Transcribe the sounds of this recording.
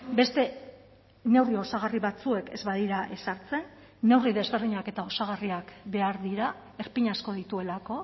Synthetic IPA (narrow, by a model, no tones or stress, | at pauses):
be̞st̪e̞ | ne̞wrio̞saɣ̞ariβat͡sue̞ke̞̰zβaðiɾaʔe̞saɾt͡se̞nː | e̞wriðe̞zβe̞ɾðiɲake̞t̪ao̞saɣ̞ariakbe̞aɾðiɾa | e̞ɾpiɲasko̞ð̞it̪ue̞lako̞